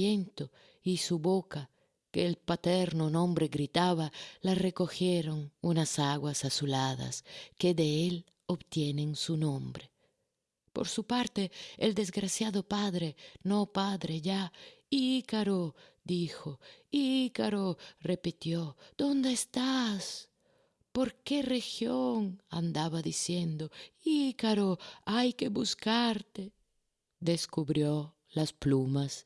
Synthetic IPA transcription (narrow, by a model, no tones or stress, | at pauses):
ent̪o | isuβoka | keːlpat̪eɾnonõmbɾeɣɾit̪aβalarekoxjeɾoŋunasaɣwasasulaða̰skeðeel | oβt̪jeneŋsunõmbɾe | po̰ɾsupaɾt̪eːld̪ezɡɾasjaðopaðɾenopaðɾeʝaiikaɾod̪ixoikaɾorepit̪jod̪̥ond̪eeːst̪as | poɾkerexjoŋa̰nd̪aβaðisjend̪oikaɾoajkeβuskaɾt̪e | d̪eskuβɾjo | lasplumas